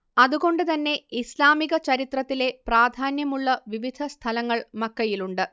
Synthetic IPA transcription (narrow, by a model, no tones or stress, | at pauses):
ɐðuɣo̞ɳɖɨt̪ɐnːe̞islaːmiɣɐt͡ɕɐɾit̪rɐt̪ːile̞praːd̪ʱaːnjɐmuɭːɐʋiʋid̪ʱɐst̪ʰɐlɐŋːɐɭmɐkːɐjiluɳɖɨ